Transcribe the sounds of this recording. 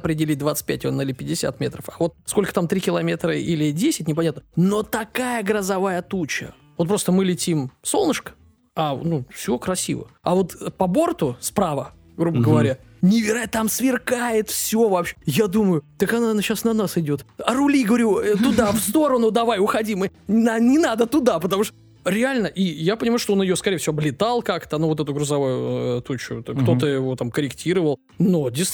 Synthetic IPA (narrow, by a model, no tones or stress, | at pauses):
pɾʲɪdʲɪlʲit̚ʲd̪vat̪sɨ̥t̚ʲpʲɛt̚ʲnlʲɪpʲɪdʲːɪsʲa̰t̪mʲet̪ɾəfavo̞t̪̚sko̞lʲkə̥t̪amt̪ɾʲikʲɪlˠɐmʲe̞t̪ɾəilʲɪdʲesʲɪtʲnʲɪp̬ɐnʲat̪nəno̞t̪ɐkajəɡɾəzɐvajət̪ut͡ɕə̰ | vot̪̚pɾo̞st̪əmɨlʲɪtʲimso̞lˠnəʂkə̥ | anufsʲɪokɾɐsʲḭvə̰avo̞t̪pɐbo̞rt̪ʊspɾavə | ɡɾubəɡəvɐɾʲa | nʲɪvʲɪat̪amsvʲɪrkajɪt̪fsʲo̞vɐpɕjad̪uməjʊt̪əkɐnanaɕasnɐnasɪdʲo̞t̪ɐɾʊlʲiɡəvɐɾʲut̪ʊd̪afst̪o̞ɾənʊd̪ɐvajʊxɐdʲimɨnanʲɪnad̪ət̪ʊd̪apət̪ɐmuʂt̪ | ɾʲɪalʲnəʔijapənʲɪmajʊʂt̪oonjɪjoskɐɾʲejfsʲɪvoɐblʲɪt̪alˠkakt̪ənovoɛt̪ʊɡɾʊzɐvujʊt̪ot͡ɕːʊ̰t̪kt̪o̞t̪əɪvo̞t̪amkəɾʲɪktʲʰiɾəvəlˠ | nodʲɪs